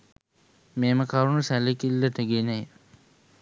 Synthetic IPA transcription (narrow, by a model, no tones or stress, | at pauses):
meːməkaɾunusælekilːəʈəɡenəj